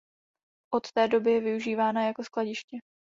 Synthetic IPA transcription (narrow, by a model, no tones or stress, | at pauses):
ʔo̞t̪ːɛːdo̞bɪjɛvɪuʒiːvaːnajako̞sklaɟɪʃcɛ